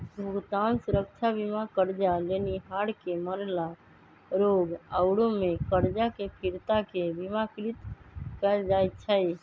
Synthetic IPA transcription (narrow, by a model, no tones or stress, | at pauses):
bʱuɡt̪ansuɾək̚t͡ʃʰabimakəɾd͡ʒaleniɦaɽkeməɾla | ɾoɡəʊɽomekəɾd͡ʒakepʰiɾt̪akebimakɾit̪kəld͡ʒajt̪t͡ʃʰəj